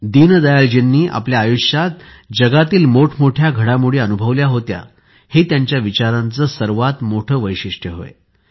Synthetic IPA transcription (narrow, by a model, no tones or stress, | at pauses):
d̪inəd̪əjald͡ʑenːiːʔa̰pljaːjuɕat̪̚ | d͡ʑəɡat̪iːlmoʈʰmoʈʰjaɡʱəɽamuɽeːənubʱəʋljaɦot̪ja̰ | het̪jaɲt͡ɕjaʋit͡ɕaɾãnt͡səːsəɾʋat̪moʈʰəːʋəjɕiʂʈʰjəɦo̰ḛ